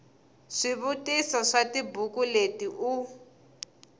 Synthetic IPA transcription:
ʂiβutisɔʂatibukuletiʔu

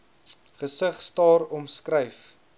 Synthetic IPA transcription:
χəsəχstɑːɾɔmskɾəjf

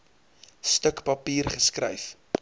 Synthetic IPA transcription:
stəkpɐpiːrχəskɾə̰jf

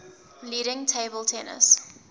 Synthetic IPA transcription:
liːɾɪ̃ŋtʰeɪbəlˠtʰɛnə̰s

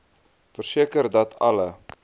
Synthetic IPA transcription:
fərsiəkərdɐtʰɐlə

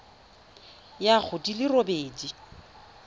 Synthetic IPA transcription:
jak͡xʰʊdilɪrobeːdi

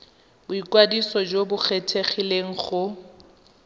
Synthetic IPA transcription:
bʊikwadisɔd͡ʒobʊk͡xetʰeχileŋ̩χʊ

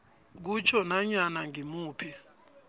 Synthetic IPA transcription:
k̬ut͡ʃʰɔnaɲanaŋimuːpʰɛ

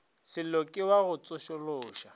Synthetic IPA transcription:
sɪlokʼɪwaɣʊt͡sʼʊʃɔlʊːʃa

